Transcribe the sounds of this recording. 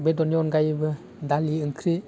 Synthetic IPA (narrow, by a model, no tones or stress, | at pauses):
bedɔnjɔnɡajbɯ | daliɯŋkʰɾi